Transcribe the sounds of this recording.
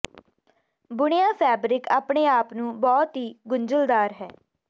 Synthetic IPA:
bʊɳɪjãːpʰɛːbɾɪkaːpɳeːaːpnũːbɔːt̪ɦiːɡʊɲd͡ʒəld̪aːɾɦɛː

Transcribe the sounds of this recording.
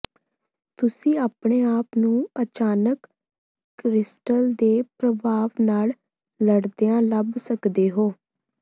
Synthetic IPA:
t̪ʊsĩːaːpɳeːaːpnũːət͡ʃaːnək | kɾɪsʈəld̪eːpɾəbʱaːʋnaːl | ləɽd̪eãːləbsəkd̪eːɦoː

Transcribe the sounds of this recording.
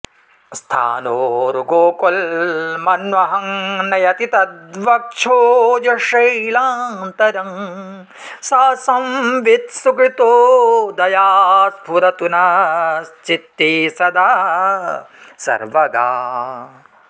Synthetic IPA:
st̪ʰa̰ːnoːɾuɡoːkolmɐnʋɐɦɐŋnɐjɐt̪it̪ɐd̪ʋɐk̚t͡ʃʰoːd͡ʒɐʂɐjlaːnt̪ɐɾɐŋ | saːsɐmʋit̪sukɾit̪oːd̪ɐjaːspuɾɐt̪unɐ | t͡ʃit̪ːisɐd̪aː | sɐ̰ɾʋɐɡa̰ː

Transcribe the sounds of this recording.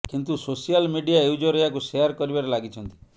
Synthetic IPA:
kint̪usosijalmiɖijaeud͡ʒɔɾɔjakuseaɾkɔɾibaɾelaɡit͡ʃʰɔnt̪i̥

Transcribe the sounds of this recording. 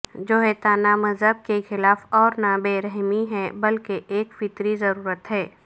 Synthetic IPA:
d͡ʒoːɦet̪aːnamɐzɦəb̚kexɪlaːfɔːɾnabeːɾɛɦmiɦɛbɐlkeʔeːkfɪt̪ɾizɐɾuːɾət̪ɦɛː

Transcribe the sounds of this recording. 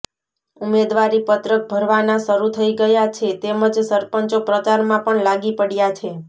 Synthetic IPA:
umed̪ʋaɾipət̪ɾək̚bʱəɾʋanaʃəɾut̪ʰəiɡəjat͡ʃʰet̪eməd͡ʒsəɾpəɲt͡ʃopɾət͡ʃaɾmãpəɳlaɡipəɽjat͡ʃʰe

